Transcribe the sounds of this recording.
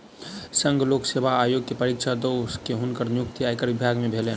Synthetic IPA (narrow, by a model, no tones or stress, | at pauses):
sə̃ŋɡʱloːkseːbaaːjoːɡ̚kepəɾikʃʰad̪oskeɦʊnkəɾnjʊk̚t̪iajkəɾʋɪbʱaːɡmẽbʱeːleː